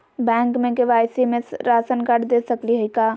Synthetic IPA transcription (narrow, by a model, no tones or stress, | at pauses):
bɛ̃ːŋkmẽkeʋaːjsimẽsɾaːsənkəʈd̪eːsɐkliɦɐikaː